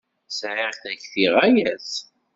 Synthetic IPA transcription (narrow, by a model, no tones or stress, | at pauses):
sʕiʁθæçθiʁæjæs